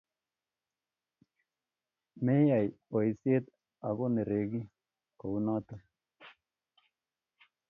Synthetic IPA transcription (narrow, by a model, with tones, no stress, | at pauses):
me˦ja˨j | o˨jse˦t̪ | a˨ɡo˦ne˨ɾe˨ɡi˦ | ko˨u˦na˦t̪o˦